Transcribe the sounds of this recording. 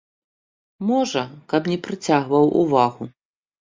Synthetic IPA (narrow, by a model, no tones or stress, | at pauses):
mɔʐɐkɐpnʲɛpɾɨt͡sʲaɣvɐwʔṵvaɣu